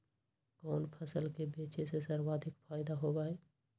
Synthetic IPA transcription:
kɔnpʰəsəlkebet͡ʃesesəɾwad̪ʱɪkpʰaːɪd̪aɦobaɛ

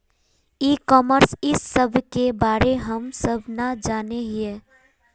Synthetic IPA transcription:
iːkɔːməɾsɪsːəbʱkebaːɾeɦəmsəbʱnad͡ʒaːneɦieː

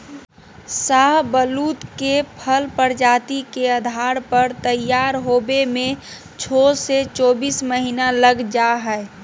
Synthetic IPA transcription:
saɦbəluːt̪kepʰəlpəɾd͡ʒaːt̪ikeəd̪ʱaːɾpəɾt̪əjaːɾɦoːbemẽ | t͡ʃʰoːset͡ʃɔːbiːsməɦiːnaləɡd͡ʒaɦɛe

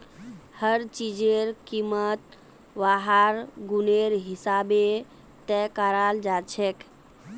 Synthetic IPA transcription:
həɾt͡ʃid͡ʒeɾkimət̪̚ | ʋaɦaɾɡuneɾɦisabe | t̪ɛkaɾald͡ʒat͡ʃʰɛk

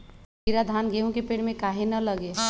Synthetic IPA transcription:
piɾad̪ʱanɡʱeũkepeɽmẽkaɦenələɡe

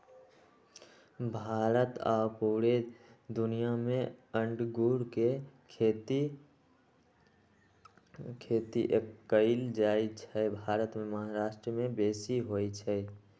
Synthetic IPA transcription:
bʱaːɾət̪a̰ːpuːɾed̪ʊnijamẽəɳɖɡuːɾke | kʰeːt̪iʔekəɪld͡ʒaːit͡ʃʰɛbʱaːɾət̪meməɦaɾaːʃʈɾəmẽbeːsiɦot͡ʃʰɛ

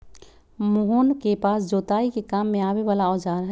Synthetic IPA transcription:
mʊɦonkepaːsd͡ʒoːt̪aːikekaːmːẽaːweʋaːlaɔːd͡ʒaːɾɦɛ

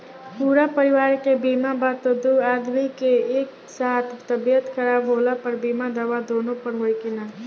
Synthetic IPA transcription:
puːɾapəɾɪʋaːɾkebiːmabaːt̪od̪uaːd̪mikeeːk | saːt̪ʰt̪əbijət̪kʰəɾaːbɦoːlapəɾbiːmad̪əʋad̪oːnõpəɾɦoːikinaː

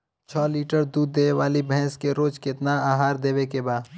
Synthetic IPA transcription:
t͡ʃʰɔːliːʈəɾd̪uːd̪ːeʋaːlibʱɛ̃ːskeɾoːd͡ʒkɪt̪naaːɦaːɾd̪eːwekebaːd̪

